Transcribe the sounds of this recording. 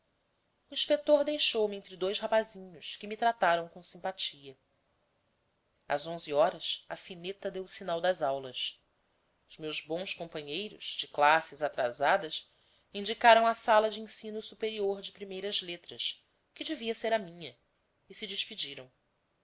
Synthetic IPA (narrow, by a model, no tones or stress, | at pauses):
uĩʃpek̚t̪oɾd̪ejʃowmiɪẽnt̪ɾɪd̪ojʃhapazĩɲʊʃkɪmit̪ɾat̪aɾɐ̃w̃kõsĩmpat͡ʃiɐ | ɐ̰zõziɔɾɐsɐsinet̪ɐd̪ewʊsinawd̪ɐzawlɐs | ʊzmewzbõw̃skõmpɐ̃ɲejɾʊʃd͡ʒɪklasɪzat̪ɾa̰zad̪ɐs | ĩd͡ʒikaɾɐ̃w̃ɐsalɐd͡ʒɪĩsĩnʊsupeɾioɾd͡ʒɪpɾimejɾɐzlet̪ɾɐs | kɪd͡ʒɪviɐseɾɐmĩɲɐ | ɪsɪd͡ʒɪʃpid͡ʒiɾɐ̃w̃